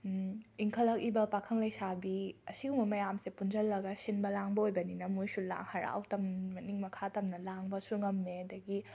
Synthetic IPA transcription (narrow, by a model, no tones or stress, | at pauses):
miŋkʰɐlɐk̚ibɐpakʰɐŋlɐjsabiɐsiɡumɐmɐjamsepunzɐlːɐɡɐsinbɐlaŋbɐojbɐninɐmujsula̰ŋhaɾa̰wtɐmmɐniŋmɐkʰatɐmnɐlaŋbɐsuŋɐmːeɐdɐɡi